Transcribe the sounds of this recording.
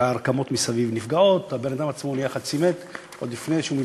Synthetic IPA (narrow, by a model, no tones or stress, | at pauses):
aaʁkamo̞t̪misavivnifɡao̞t̪abenad̪amat͡smo̞nijaχad̚t͡simet̪ | ʔodlifneʃeumi